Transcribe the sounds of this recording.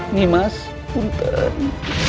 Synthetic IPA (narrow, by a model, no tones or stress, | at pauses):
nimas | punt̪ə